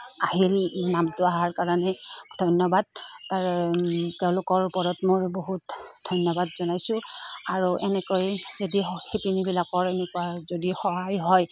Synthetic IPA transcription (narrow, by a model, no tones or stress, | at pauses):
aɦilnamtʊaɦaɹkaɹanɛdʱɔjnjɔbad̚taɹteʊ̃lʊkɔɹupɔɹɔtmojboɦutdʱɔjnjɔbadzɔnajsʊ̃aɹuʔɛnɛkojzedihipinibilakɔɹɛnɛkuwazodixɔɦajɦɔj